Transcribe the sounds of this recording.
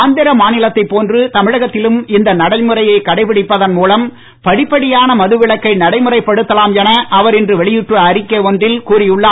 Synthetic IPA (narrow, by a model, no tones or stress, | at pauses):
nd̪ɪɾɐmaːnɪlɐt̪ːɐɪpːoːndrɯt̪ɐmɪɻɐɣɐt̪ːɪlɯmɪnd̪ɐnɐɽɐɪmɯrɐjɐɪkɐɽɐɪpɪɽɪpːɐðɐnmuːlɐm | pɐɽɪpːɐɽɪjaːnɐmɐðɯʋɪɭɐkːɐɪnɐɽɐɪmɯrɐɪpːɐɽɯt̪ːɐlaːmjɛnɐʔɐʋɐɾɛndrɯʋɛɭɪjɯʈːrɯɐɾɪkːɐɔndrɪlkuːrɪjɯɭːa